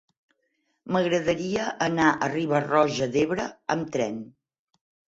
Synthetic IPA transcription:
məɣɾəðəɾiəʔənaʔəriβərɔʒəðeβɾəəmt̪ɾɛn

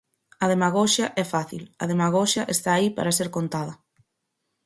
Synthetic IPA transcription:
ɐðemaɣɔʃɐʔɛfaθḭlɐ̰ðemaɣ̞ɔʃɐʔest̪aːipa̰ɾaseɾkont̪að̞ɐ

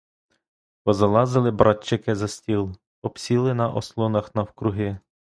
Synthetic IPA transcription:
pɔzɐlˠɑzɪlˠɪbɾʔɑtʲt͡ʃːɪkɪzɐsʲtʲilˠ | ɔpsʲilˠɪnɐʔɔslˠɔnɐxnɐwkɾʊɦɪ

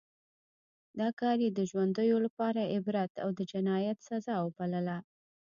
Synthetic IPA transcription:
d̪ɑkɑɾjed̪əʒwand̪əjolapɑɾaɪbɾat̪a̰wd̪əd͡ʒɪnɑjat̪sazɑwəbaləla

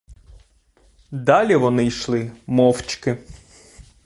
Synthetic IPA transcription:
d̪ɑlʲiʋɔnɪjʃlˠɪmɔwt͡ʃkɪ

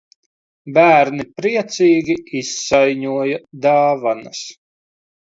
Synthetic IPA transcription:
bæːɾnipɾiɛt̪siːɡʲiisːajɲuɔjɐd̪aːvanɐs

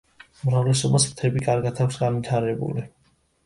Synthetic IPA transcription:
umɾavlɛsɔbast̪ʰɛbikʼaɾɡat̪ʰakʰʷsɡanvit̪ʰaɾɛbṵli

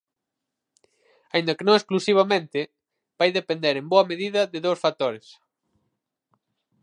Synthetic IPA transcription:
aĩnd̪ɐkenõŋesklusiβ̞amẽnt̪ɪ | b̥ajðepend̪eɾemboɐmeðiðɐðɪðowsfak̚t̪oɾɪs

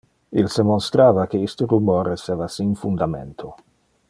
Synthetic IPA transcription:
ilsemost̪ɾaːvakeist̪oɾumoːɾeseːvasinfund̪amḛnt̪ʰo

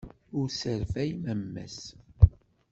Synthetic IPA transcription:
ʊɾsəɾfæjməmːæ̰s

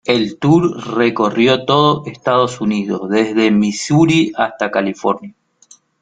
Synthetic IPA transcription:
e̞lt̪uɾre̞ko̞rjo̞t̪o̞ðoest̪aðo̞suniðo̞ðezðe̞misuɾiast̪akalifo̞ɾnja

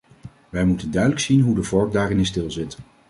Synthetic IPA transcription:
ʋɛjmutəndœɥdələksinɦudəvɔɹk̚daːrɪnɪstɪlˠzɪt

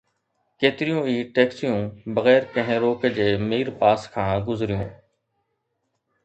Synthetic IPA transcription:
keːt̪ɾɪjũːiːʈeːksijũːbəɣɛːɾkə̃ɦẽːɾoːkəd͡ʒeːmiːɾpaːskʰãːɡʊzɾɪjõ̰ː

